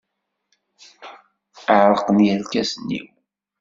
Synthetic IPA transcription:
əʕɾˤəqənjælkæsənːḭw

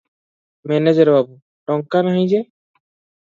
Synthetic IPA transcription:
mɛned͡ʒəɾbabu | ʈɔŋkanaɦĩd͡ʒe

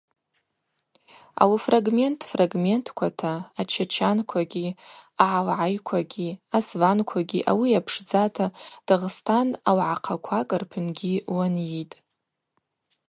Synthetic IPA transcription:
a̰wfraɡme̞ntʰʼfraɡme̞ntʰkʷʰatʰaːt͡ʃʰat͡ʃʰankʷʰaɡʲiaʕalʕajkʷʰaɡʲiasvankʷʰaɡʲiʔa̰wiapʰʂd͡zatʰad̥aʁstʰanawʕaqʰakʷʰakʼɨrpʰɨnɡʲiwanjitʼ

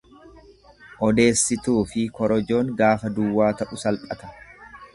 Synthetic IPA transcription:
ʔɔd̪e̞ːsːɪt̪uːfɪkɔɾɔd͡ʒo̞ːŋɡaːfɐd̪ʊwːaːt̪ɐʔʊsɐlpʼɐt̪ɐ̥

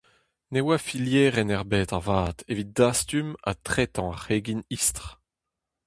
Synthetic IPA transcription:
newafiljɛːʁɛnɛʁbɛːt̪avaːt̪ʰevit̪̚d̪ast̪yma̰t̪χɛt̪ɑ̃aʁeːɡinist̪ʁ

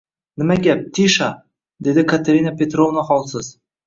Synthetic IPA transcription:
nɪmæɡʲep̚t̪ʰiʃa | d̪ed̪ɪkʰat̪eɾʲinapʲet̪rovnaχɑlˠsəz̥

